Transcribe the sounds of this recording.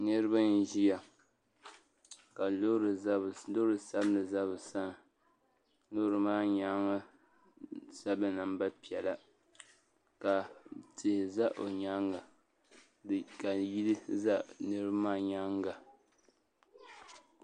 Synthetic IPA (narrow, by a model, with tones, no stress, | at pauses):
nɨ˦ɾɨ˦ba˦n˦ʒi˦ja˨ | ka˨lɾlo˦ɾɨ˨sa˦bɨ˦nɨ˨za˦bɨ˨sa˦n˨ | lo˦ɾɨ˨maː˦ɲa˦ŋa˦ | sa˦bɨ˦na˨mba˦pi˨ɛ˨la˨ | ka˨tʰɪ˨hɪ˨za˦ʔo˨ɲa˦ŋɡa˨ | ka˨ji˦lɨ˦za˦nɨ˦ɾbmaː˦ɲa˦ŋɡa˨